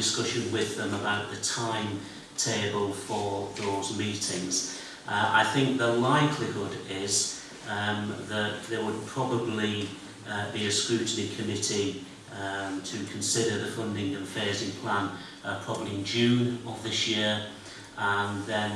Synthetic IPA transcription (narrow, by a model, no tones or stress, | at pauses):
ɪskʊʃə̃nwɪðə̃məbaʊʔðətʰãɪ̃m | tʰeɪbəlˠfəðoʊzmiˑtʰɪ̃ŋz̥ | ʔʔa̰ɪθɪ̃ŋk̚ðəlaɪkʰlɪhʊdɪz | ðəʔðəwəd̚pʰɹ̥ɒbəbli | biɨskɹʉˑʔnikʰəmɪtʰi | tʰəkʰə̃nsɪɾəðəfʊ̃ndɪ̃ŋə̃nfɛːzɪ̃ŋpʰl̥ãn | əpʰɹ̥ɒbəbliɪ̃nd͡ʒʉ̃ːnəvðɪsjɪəɹ | ə̃nðə̃n